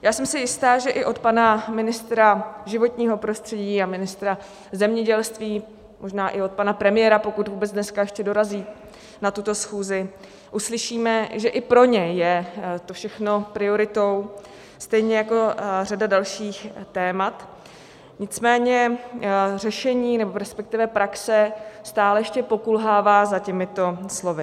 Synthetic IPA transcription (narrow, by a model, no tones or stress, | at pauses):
jaːsɛmsɪjɪst̪aːʒɛʔɪʔo̞t̪panamɪnɪst̪ɾaʒɪvo̞t̪ɲiːɦo̞pɾo̞st̪r̥ɛɟiːamɪnɪst̪ɾa | zɛmɲɛɟɛlst̪viː | mo̞ʒnaːʔɪo̞t̪̚panapɾɛmɪjɛːɾapo̞kut̪vuːbɛt͡sdnɛskajɛʃcɛdo̞ɾaziː | nat̪ut̪o̞sxuːzɪ | ʔuslɪʃiːmɛʒɛʔɪpɾo̞ɲɛjɛt̪ofʃɛxno̞pɾɪo̞ɾɪt̪o̞w | st̪ɛjɲɛjako̞radadalʃiːxt̪ɛːmat̪ | ɲɪt͡smɛːɲɛ | rɛʃɛɲiːnɛbo̞ɾɛspɛk̚t̪ɪvɛpɾaksɛst̪aːlɛjɛʃcɛpo̞kulɦaːvaːzacɛmɪt̪o̞slo̞vɪ